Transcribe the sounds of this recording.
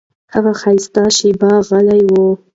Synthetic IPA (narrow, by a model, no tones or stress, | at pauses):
haɣaxajst̪aʃibɑɣalajwu